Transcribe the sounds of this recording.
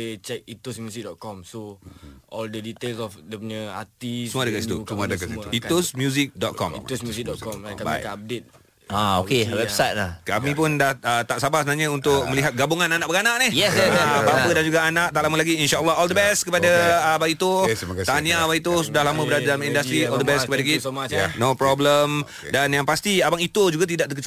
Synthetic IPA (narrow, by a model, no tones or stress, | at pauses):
et͡ʃɛk̚it̪usmjusik̚dɔt̪̚kɔmsoʔɔldədit̪elsɔfdəpuɲəa̰t̪isəmuadəɡasit̪ṵsmadɡaiuit̪osmjuzik̚dɔt̪̚kɔ̰miusmjusik̚dɔkɔmkba̰jk̪aab̚det̪̚ | aokewɛbsajt̚laka̰mĩpʊndahət̪aʔsabahsəmənaɲaunt̪ʊk̚mə̃liɦat̪̚ɡabuŋananaʔbəɡanaʔnɪhjɛsɛpapədand͡ʒuɡaanaʔ̚t̪aʔlaməlaɡiinʃaəlːɔɦɔld̪əbɛst̪̚kəpadabait̪ut̪aɲãabait̪usudahlamə̃bədadalamindast̪ɾiɔldəbɛskəpadaɡit̪anopɾɔbləm | danjaŋpast̪iabaŋit̪od͡ʒuɡat̪idaʔ̚t̪əkət͡ʃ